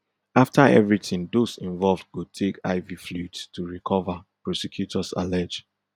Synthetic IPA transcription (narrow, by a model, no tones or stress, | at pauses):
aftʰaɛ̰vɹitɪ̃ŋdosĩɱvɔlvd̚ɡutʰeka̰ɪviflutstʰuɹikʰɔvəpɹɔsɛkʰjutʰɔsa̰lɛd͡ʒ